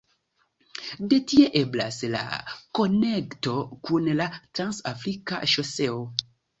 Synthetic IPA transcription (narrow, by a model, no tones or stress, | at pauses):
de̞tie̞ʔe̞bla̰sla̰ko̞nekto̞kunlatɾansafɾika̰ʃo̞se̞o